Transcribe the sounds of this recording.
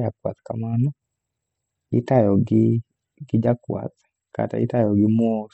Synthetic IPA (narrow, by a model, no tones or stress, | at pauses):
jakwa̰tkamanɔ | ḭtajɔɡɪ | ɡid͡ʒakwa̰tḁ | ka̰ta̰itajɔɡɪmɔ